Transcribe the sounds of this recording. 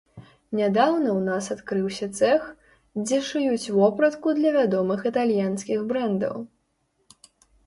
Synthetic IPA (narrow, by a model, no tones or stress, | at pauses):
nʲad̪awnɐwnasat̪kɾɨwsʲɐt̪sɛx | d͡zʲɛʂɨjut͡sʲvɔpɾɐt̪kud̪lʲɐvʲad̪ɔmɨxit̪alʲjanskʲiɣbɾɛnd̪ɐ̰w